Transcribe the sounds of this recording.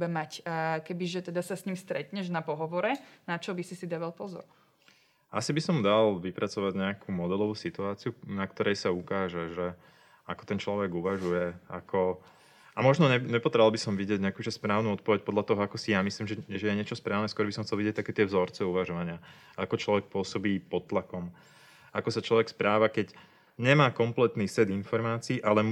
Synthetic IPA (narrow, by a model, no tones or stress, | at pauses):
bɛmacːkɛbiʒɛt̪ɛd̪asasɲimst̪ɾɛt̪ɲɛʒnapɔɦɔʋɔɾɛnat͡ʃɔbisisid̪aʋalpɔzɔ̰ɾ | ʔasibisɔmd̪alʋipɾat͡sɔʋaɟɲɛakʰumɔd̪ɛlɔʋusit̪uaːt͡siunakt̪ɔɾɛjsaukaːʒɛʒɛ | akɔ̥t̪ɛnt͡ʃlɔʋɛɡuʋaʒujɛa̰kʰɔ | amɔʒnɔɲɛɲɛpɔd̪ɾɛalbisɔmʋiɟɪɛɟɲɛakuːʒɛspɾaːʊnuɔt̪̚pɔʋɛc̚pɔd̪ʎat̪ɔɦɔakɔsijamisliːmʒɛʒɛjɛɲɪɛt͡ʃɔspɾaːʊnɛskwɔɾbisɔmxtt͡sɛlʋiɟɛc̚t̪akɛːt̪ɪɛvzɔɾt͡sɛuʋaʒɔʋaɲɪa | akɔt͡ʃlɔʋɛk̚pʊɔsɔbiːpɔt̪ːlakɔm | akɔsat͡ʃlɔʋɛkspɾaːʋakɛɟ | ɲɛmaːkɔmplɛt̪niːsɛd̪infɔɾmaːt͡siːʔalɛ